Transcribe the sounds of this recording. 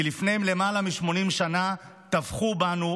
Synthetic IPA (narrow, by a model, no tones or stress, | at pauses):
ilifne̞jemle̞malamiʃmo̞nimʃana | t̪avχubanu